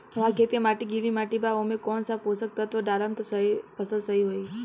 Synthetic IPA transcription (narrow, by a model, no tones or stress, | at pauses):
ɦãkʰeːt̪emaːʈiɡilimaːʈibaomẽkɔːnsaposək̚t̪at̪oɖaːɾamt̪osɐipʰəsəlsəɦiɦoːi